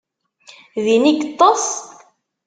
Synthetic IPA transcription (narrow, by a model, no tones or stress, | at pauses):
ðiniɡət̪ˤːos